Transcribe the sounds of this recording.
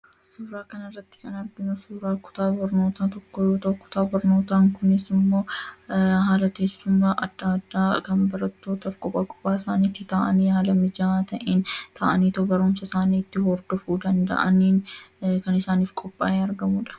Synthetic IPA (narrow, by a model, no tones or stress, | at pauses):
suːɾaːkɐnɐrːɐt̪ːɪ̥kɐnɐɾd̪ɪnʊsuːɾaːkʊ̥t̪aːbɐɾno̞ːt̪aːt̪ɔkːɔjoːt̪ɐkːʊ̥t̪aːbɐɾno̞ːt̪aːŋkʊnɪsɪmːo̞ː | ɦaːlɐt̪e̞ːsːʊmːaːʔɐd̪̥ːaːd̪ːaːkɐnbɐɾɐt̪ːo̞ːt̪ɐfkʼɔpʼːaːkʼɔ̥pʼːaːɪsaːniːt̪ːɪt̪aːʔɐniːhaːlɐmɪd͡ʒaːt̪ɐʔeːnt̪ʰaːʔɐniːt̪ɔbɐɾʊmsɐɪsaːniːt̪ːɪhɔɾd̪̥ɔfuːd̪ɐnd̪ɐ̰ʔɐniːnkɐnɪsaːniːfkʼɔpʼːa̰ːeːɐɾɡɐmuːᶑɐ̥